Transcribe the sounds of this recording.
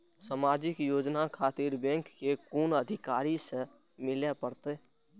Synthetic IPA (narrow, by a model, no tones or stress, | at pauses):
samaːd͡ʒɪkjoːd͡ʒnakʰaːt̪iɾbẽŋkːekuːnəd̪ʱɪkaːɾisə | mɪlepəɾt̪e